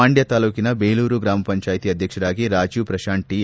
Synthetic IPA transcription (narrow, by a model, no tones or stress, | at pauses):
aːɳɖjɐt̪aːluːkinɐbejluːɾuɡɾaːmɐpɐɲt͡ʃaːjt̪iːɐd̪ʱjɐkʂɐɾaːɡiɾaːd͡ʒuːpɾɐʃaːɳʈi